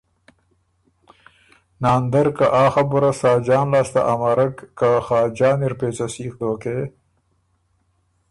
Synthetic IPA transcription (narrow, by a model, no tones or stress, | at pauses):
naːnd̪ɐɾkaʔaːxɐbʊɾasɑːd͡ʒɑːnlaːst̪a̰ʔamaɾɐkːaxɑːd͡ʒɑːniɾpeːt͡sɐsiːxd̪oːkeː